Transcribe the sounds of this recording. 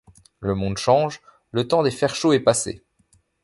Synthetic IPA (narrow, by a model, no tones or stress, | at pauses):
ləmɔ̃d̪ʃɑ̃ʒ | lət̪ɑ̃d̪efɛʁʃoɛpasḛ